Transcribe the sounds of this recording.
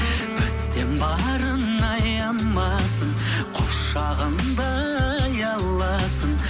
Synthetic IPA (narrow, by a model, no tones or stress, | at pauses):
bɪzt̪enbɑɾən | ɑjɑmːɑsəɴ | qʰoʃ | ɑʁənd̪ɑ | jɑlˠːɑ | sən